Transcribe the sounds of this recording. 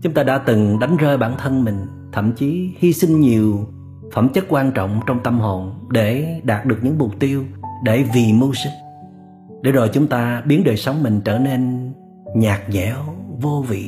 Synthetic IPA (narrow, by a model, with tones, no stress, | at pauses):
t͡ɕʊ˨˦ŋ͡mt̪aː˧ɗa̰ː˧˥t̪ɨ˨˩ŋɗa˨˦jŋ̟zəː˧jɓaː˧˩nt̪ʰə˧nmï˨˩ŋ̟ | t̪ʰə̰˧˨mt͡ɕi˨˦hi˧sï˧ŋ̟ɲi˨˩əw | fə˧˩mt͡ɕə˦˥t̚kwaː˧nt͡ɕɔ̰˧˨wŋ͡mt͡ɕɔ˧wŋ͡mt̪ə˧mɦo˨˩nɗe˧˩ɗaː˨˩t̚ɗɨ˨˩ək̚ɲɨ̰˧˥ŋmʊ˨˩k͡p̚t̪i˧əwɗe˧˩vi˨˩mu˧sɨ˦˥k̚ | ɗe˧˩zo˨˩jt͡ɕʊ˨˦ŋ͡mt̪aː˧ɓi˨˦ənɗəː˨˩jsə˨˦wŋ͡mmï˨˩ŋ̟t͡ɕəː˧˩ne˧n | ɲaː˨˩k̚ɲɛ˧˩˦wvo˧vḭ˧˨